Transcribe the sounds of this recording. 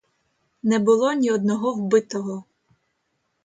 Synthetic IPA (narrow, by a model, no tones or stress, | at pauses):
nɛbʊlˠɔnʲiɔd̪nɔɦɔwbɪt̪ɔɦɔ